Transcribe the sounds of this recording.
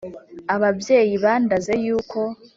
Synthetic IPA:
aβabje̞ːjiβaːndaze̞juːkʰo̞

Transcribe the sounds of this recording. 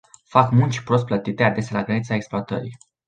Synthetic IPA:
fakmunt͡ʃʲi̥pɾo̞s̬t̪plət̪it̪e̞ad̪e̞sʲalaɡɾənit̪saeksploat̪ə̰ɾḭ

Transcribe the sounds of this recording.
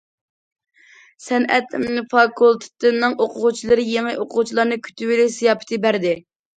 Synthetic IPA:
sɛnɛ̰t̪mnɨfɑkʰulˠt̪ʰɨ̥t̪ɨnːɨŋʔoqʰʊʁʊt͡ʃʰilˠɨɾɨjeŋɨʔoqʰʊʁut͡ʃʰilˠɑɾnɨkʲʰy̥t̪ʰywɪlɪsɨjɑːpɪ̥t̪ʰɨbæɾd̪ɪ

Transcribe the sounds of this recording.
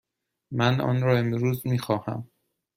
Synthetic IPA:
mænɒ̰ːnɾɒːe̞mɾuːzmiːxɒːhæ̰m

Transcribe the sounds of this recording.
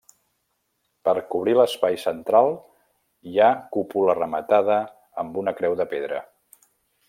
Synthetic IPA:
pəɾkuβ̞ɾiləspajsənt̪ɾalˠ | jakupulərəmət̪aðə | əmbunəkɾɛwðəpeðɾə

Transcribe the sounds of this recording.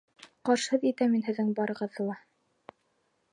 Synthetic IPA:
qɑɾʃhɤðit̪æminɦɘ̆ðːɘŋbɑɾɤ̆ʁɤ̆ðːɤlˠɑ

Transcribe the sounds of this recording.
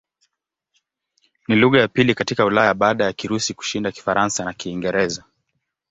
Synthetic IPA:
niluɣajapilikatikaulajaaɓaːɗajakiɾusiku̥ʃindaki̥faɾʔansanakiːŋɡɛɾɛza

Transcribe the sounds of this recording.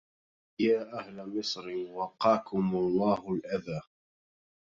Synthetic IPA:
jaːʔahlamɨsˤɾɪwɑqːɑːkʊmʊlˤːɑːhʊlʔaðaː

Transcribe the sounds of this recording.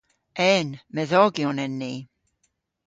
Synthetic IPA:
ɛnmɛðɔɡiɔnɛnːi

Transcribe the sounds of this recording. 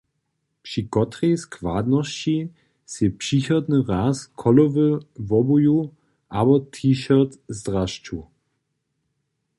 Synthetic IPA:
pʃikɔt̪ʁɛjskʰvaːd̪nɔst͡ɕi | sjɛpʂiçɔd̪nəʁaːskʰɔlɔvəvɔbuju | ʔabɔtʰiːʃɔʁtzdʁaʃt͡ʃu

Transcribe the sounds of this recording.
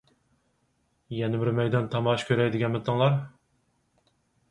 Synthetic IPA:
jɛnɪbɪɾmɛjd̪ɑnt̪ʰɑmɑʃkʲʰøɾɛjd̪ɪɡʲɛnmɨt̪ʰːɨŋlˠɑɾ

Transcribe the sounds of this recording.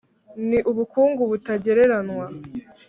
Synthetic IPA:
niʔuβukuːŋɡuβutaɟe̞ɾe̞ɾanwa

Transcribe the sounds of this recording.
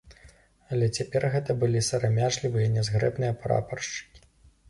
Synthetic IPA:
ɐlʲɛt͡sʲapʲɛrɣɛt̪ɐbɨlʲisɐɾamʲaʐlʲivɨjɐnʲɛzɣɾɛ̰bnɨjɐpɾa̰pɐrʂt͡ʂɨ̥kʲi̥

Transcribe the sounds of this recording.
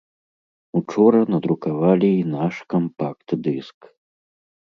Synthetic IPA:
ut͡ʂɔɾɐnɐd̪ɾukavalʲiːnaʂkɐmpakt̪d̪ɨsk

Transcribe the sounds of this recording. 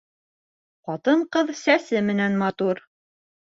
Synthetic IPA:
qɑt̪ɤɴqɤðsæsɘmɘ̆nænmɑt̪uɾ

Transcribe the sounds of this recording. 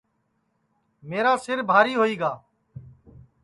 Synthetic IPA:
meːɾaːsɪɾbʱaːɾiːɦoːiːɡaː

